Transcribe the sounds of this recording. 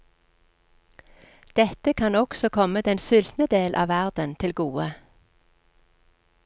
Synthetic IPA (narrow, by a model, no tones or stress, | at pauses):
d̪̥ɛt̪əkʰɑnɔksɔkʰɔməd̪ɛnsʏlt̪nəd̪eːlʔɑ̰ːʋæʁd̪ənt̪ʰɪlɡuːə